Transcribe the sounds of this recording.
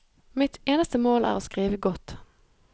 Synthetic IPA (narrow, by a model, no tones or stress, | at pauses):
mɪt̪eːnəst̪əmoːlʔæ̰ːʁoːskʁiːʋəɡɔt̪